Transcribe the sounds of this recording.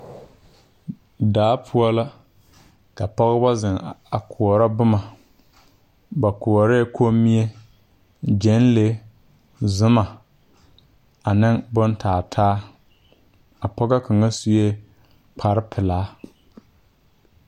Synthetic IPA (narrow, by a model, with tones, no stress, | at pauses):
daː˨˦pʰʊ˦ɔ˦la˦ | ka˨pɔ˦ɣa˦ba˦zɪ˨ŋa˨kʰʊ˨ɔ˨ɾa˦bʊ˦ma˨ | ba˨kʊ˨ɔ˨ɾe˦˨kʰo˦mːi˦e˦ | d͡ʒɛ˦nle˦ | zʊ˦ma˨ | a˨nɪ˦ŋbʊ˦ntʰaː˨tʰaː˦ | a˨pɔ˦ɡa˦ka˨ŋa˦su˦je˦ | k͡pʰa˨ɾɪ˦pʰɪ˨laː˨˦